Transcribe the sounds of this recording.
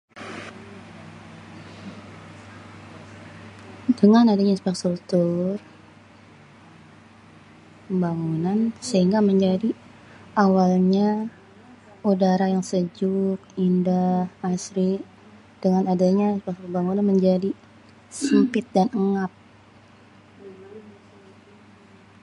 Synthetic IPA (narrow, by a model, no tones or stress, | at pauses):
dəŋanadaɲaispɛk̚t̪ut̪ur | pəbaŋunansəiŋɡaməɲd͡ʒadi | ʔawalɲa | udaɾajaŋsəd͡ʒuk̚indahasɾi | d̥əŋanadaɲaispɛkt̪ubaŋunanməɲd͡ʒadi | səmpɪt̪̚danəŋap̚